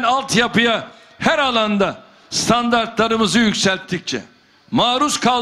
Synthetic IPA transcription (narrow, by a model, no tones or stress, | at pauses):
nalˠt̪japɯja | hæɾalˠand̪a | st̪ʰand̪aɾt̪lˠaɾɯmɯzɯjycʲsælʲt̪ʰːic̚t͡ʃʰɛ̰ | maːɾuskʰa